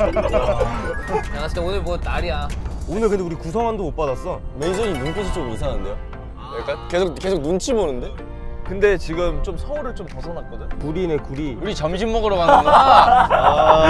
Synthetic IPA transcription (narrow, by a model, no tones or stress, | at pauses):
jaŋas͈ɯteonɯɭmwʌtaɾiaonɯɭkɯndeuɾikusʰʌŋandomop͈adas͈ʌmensʰʌɡimunk͈oɕʰit͡ɕ͈omisʰaŋɯnde̞jo | ek͈ank͈esʰok̚ke̞sʰoɡ̚nunt͡ɕʰibonɯnde̞ | kɯnde̞t͡ɕiɡɯmt͡ɕomsʰʌuɾɯɭt͡ɕ͈ompʌsʰʌnat̚k͈ʌdɯɲokuɾinekuɾiuɾit͡ɕʌmɕʰimːʌɡɯɾomana